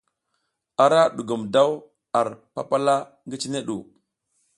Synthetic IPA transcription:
a˨ɾa˦ɗu˨ɡu˨mda˦w | a˨ɾpa̰˦pa˦la˦ | ŋɡi˦t͡ʃi˦ne˦ɗṵ˨

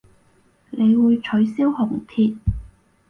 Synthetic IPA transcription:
nʔe˨˧jwuː˨˧jt͡ʃʰɵ˨˥ɥsiː˥whʊ˨˩ŋt̪ʰiː˧t̪̚

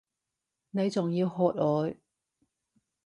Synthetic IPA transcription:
ne˨˧jt͡sʊ˨ŋjiː˧wɦɔː˧t̚ɔː˨˧j

